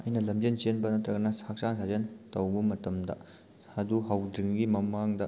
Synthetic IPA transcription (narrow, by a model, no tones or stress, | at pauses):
ɐjnɐlɐmd͡ʒensenbɐnɐt̪ɾɐɡɐnɐsak̚t͡ʃaŋsʰazentɐwbɐmɐtɐmdɐ̰ | ɐduɦawdiŋɡimɐmaŋdɐ